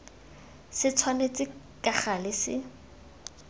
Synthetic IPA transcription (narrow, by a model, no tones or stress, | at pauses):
sɪt͡sʰwanet͡sʼɪ | kʼaχalɪsɪ